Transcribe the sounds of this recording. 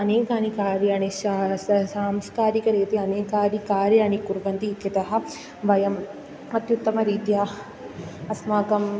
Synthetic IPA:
ɐneːkaːnikaːɾjaːneʃasaːmskaːɾikɐɾeːt̪eɐneːkaːɾikaːɾjaːɳ̃ikuɾʋɐnt̪iːkːɐt̪ɐɦɐ̆ | ʋɐjɐm | ɐt̪jut̪ːɐmɐɾiːt̪jaː | ɐsmaːkɐm

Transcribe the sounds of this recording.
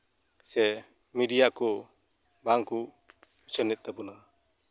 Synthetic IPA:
sɛ | miɖijakɔ | baŋku | ut͡ʃənɛt̪̚ˀt̪ɛbɔna

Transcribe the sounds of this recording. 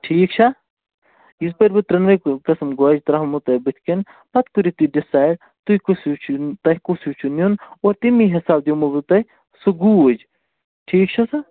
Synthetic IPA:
ʈʰiːk̚t͡ʃʰa | izpɐɾbɨt̪ɾɐnʋɐkkɐsɐmɡoaːd͡ʒt̪ɾɐɦmut̪ɐbɨt̪ʰkin | pɐt̪kuɾit̪iɖisaːjɖ | t̪ujkusut͡ʃʰt̪ɐɦkusut͡ʃʰunjunoːɾt̪imiɦisaːb̚d̪jomubut̪ɐ | suɡuod͡ʒ | ʈʰiːk̚t͡ʃʰɐsa

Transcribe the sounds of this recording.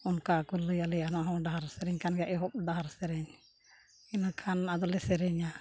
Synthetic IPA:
unkakulːəjalijanaɦɔ̃ɖaɦaɾsɛɾɛɲkanɡaʔɛɦɔp̚ɖaɦaɾsɛɾɛɲ | inakʰanad̪ɔlɛsɛɾɛɲa

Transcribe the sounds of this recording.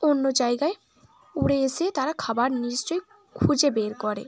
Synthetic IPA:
onːod͡ʑajɡae | uɽeeset̪aɾakʰabaɾniʃt͡ɕoj | kʰud͡ʑebeɾkɔɾḛ

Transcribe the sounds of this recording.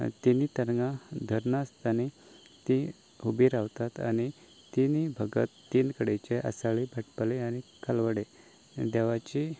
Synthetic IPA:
t̪init̪əɾŋɡad̪ʱəɾnast̪ani | t̪i | ɦubiːɾaʋt̪at̪a̰ñi | t̪inibʱəɡə̰t̪ːiːnkəɽet͡ɕeʔə̰saɭibʱəʈpəleañikalʋəɽe | d̪eʋat͡ɕi

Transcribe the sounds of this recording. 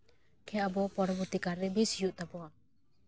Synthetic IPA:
kʰɛabɔpɔɾɔbɔɾt̪ikaɾːɛbisjuʔt̪abɔa

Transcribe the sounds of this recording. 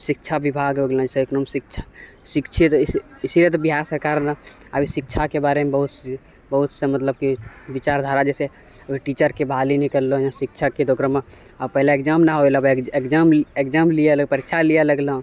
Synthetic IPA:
sik̚t͡ʃʰabibʱaɡɦoɡlə̃səeknɔmsikt͡ʃʰḁ | sikt͡ʃʰit̪isiɾət̪biɦaɾsəɾkaɾna | abʱisik̚t͡ʃʰakebaɾemebəɦut̪s | bəɦut̪sə̃mət̪ləb̚kibit͡ʃaɾd̪ʱaɾad͡ʒɛse | əbʱiʈit͡ʃəɾkebʱalinikəɾlojãsik̚t͡ʃʰaked̪ʱokɾəmẽ | apəɦleekd͡ʒamnaɦoelabekd͡ʒamekd͡ʒamlijeləpəɾikt͡ʃʰalijaləɡləɦ

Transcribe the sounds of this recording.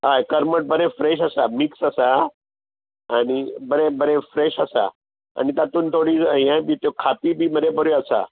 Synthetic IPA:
ɦaekəɾməʈ̚bəɾefɾeɕ̬əsamiksəsa | ñibəɾebəɾefɾeɕasa̰ | a̰nit̪at̪uːnt̪ʰoɽiːəɦĩãbit̪jokʰapibʱiːməɾepəɾjoasa̰

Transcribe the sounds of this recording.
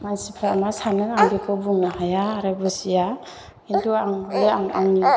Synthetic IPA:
majsipʰɾaamasanɯŋaŋɡikʰɯbuŋnaɦajaːɾɯbɯsija | intuaŋɔleaŋaŋni

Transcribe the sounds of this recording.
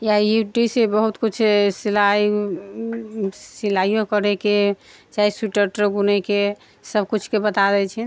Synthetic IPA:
jajuʈisebəɦut̪kut͡ʃʰsilai | silaijõkəɾɛket͡ʃaisuʈəɾʈɡunɛke | səbkut͡ʃʰkebət̪ad̪ɛt͡ʃʰɛ

